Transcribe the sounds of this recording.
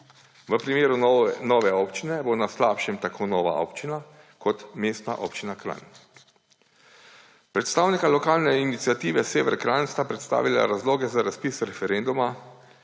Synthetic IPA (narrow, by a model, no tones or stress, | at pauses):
ʋəpɾimeːɾunɔːʋɛɔːpt͡ʃinɛbonaslaːpʃɛmt̪akʰoːnɔːʋa̰ʔɔ̰pt͡ʃina | kʰɔt̪meːst̪naʔɔpt͡ʃinakɾa̰n | pɾɛt̪st̪aːwnikalɔkaːlnɛinit̪sijat̪iːʋɛseːʋɛ̰ɾkɾanst̪apɾɛt̪st̪a̰ːʋila̰ɾazloːɡɛzaɾaspisɾɛfɛɾend̪uma